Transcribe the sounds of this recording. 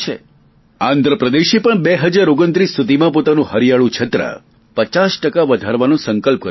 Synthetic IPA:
t͡ʃʰḛ | ãnd̪ʱɾəpɾəd̪eʃipəɳbeɦəd͡ʒaɾoɡənt̪ɾist̪ʰud̪imãpot̪anũhəɾijaɭũt͡ʃʰət̪ɾə̰ | pət͡ʃasʈəkaʋəd̪ʱaɾʋanõsəŋkəlp̚kə

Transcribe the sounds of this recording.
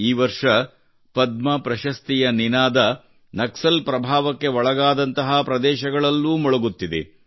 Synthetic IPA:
iːʋɐɾʂɐ | pɐd̪̚mɐpɾɐʃɐst̪ijɐninaːd̪ɐ | nɐksɐlpɾɐbʱaːʋɐkːe̞ɔɭɐɡaːd̪ɐnt̪ɐɦapɾɐd̪ɛːʃɐɡɐɭɐlːuːmɔɭɐɡut̪ːid̪ḛ

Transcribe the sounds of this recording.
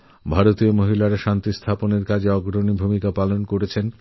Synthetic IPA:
bʱaɾot̪iomoɦilaɾaʃant̪ist̪ʰaponeɾkad͡ʑʱeɔɡɾonibʱumikapalonkoɾet͡ɕʰen

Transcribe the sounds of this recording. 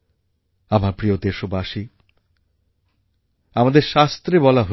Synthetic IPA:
amaɾpɾijod̪eʃobaʃi | amad̪eɾʃast̪ɾebɔlaɦo

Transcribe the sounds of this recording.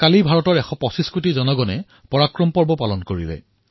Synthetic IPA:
kalibʱaɹɔtɔɹɛxɔpɔsiskutizɔnɔɡɔnɛ | pɔɹakɹɔmpɔɹbɔpalɔnkoɹilɛ̰

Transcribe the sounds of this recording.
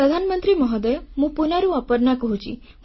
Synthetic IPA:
ɾəd̪ʱanmənt̪ɾimɔɦɔd̪əjmũpunaɾũapəɾnakɔɦũt͡ʃʰḭ

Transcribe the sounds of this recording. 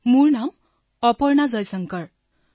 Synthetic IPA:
murnam | ʌpʌrnad͡zʌjsʌŋkʌr

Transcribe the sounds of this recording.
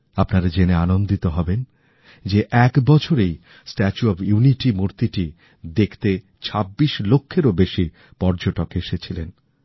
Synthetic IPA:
apnaɾd͡ʑeneanond̪it̪oɦɔben | d͡ʑeʔɛkbɔt͡ɕʰoɾej | sʈɛt͡ɕuɔbjuniʈimuɾt̪iʈi | d̪ekʰt̪e | t͡ɕʰabːiʃlokʰːeɾobeʃi | pɔɾd͡ʑoʈokeʃet͡ɕʰilen

